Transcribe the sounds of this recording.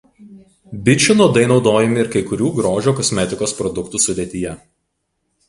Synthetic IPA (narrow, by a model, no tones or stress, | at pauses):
bʲɪt͡ʃʲʊnuɔd̪ɐɪnɒʊd̪oːjɛmʲɪɪɾkɐɪkʊɾʲuːɡɾoːʒʲoːkɔsʲmʲɛt̪ʲɪkoːspɾɔd̪ʊkt̪uːsʊd̪ʲeːt̪ʲɪjɛ